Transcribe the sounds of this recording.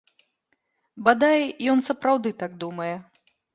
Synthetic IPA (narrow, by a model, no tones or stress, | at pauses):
bad̪ajjɔnsɐpɾawd̪ɨt̪aɡ̚d̪umɐjɛ